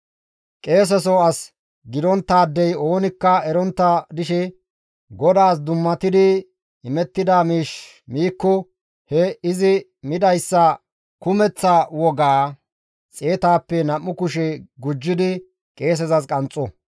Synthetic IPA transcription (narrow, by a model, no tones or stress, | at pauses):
kʼe̞ːs̬ɛs̬ɔɐs | ɡɪd̪ɔnt̪ːaːd̪ːɛjo̞ːnɪkːɐɛɾɔnt̪ːɐd̪ɪʃɛ | ɡɔd̪aːs̬d̪ʊmːɐt̪ɪd̪ɪ | ɪmɛt̪ːɪd̪aːmiːʃ | miːkːɔ | hɛɪzɪ | mɪd̪ɐjsːɐ | kʊmɛt͡sːɐwɔɡaː | t͡sʼeːt̪aːpːɛnɐmːʊkʊʃɛɡʊd͡ʒːɪd̪ɪ | kʼe̞ːs̬ɛzɐskʼɐnt͡sʼːɔ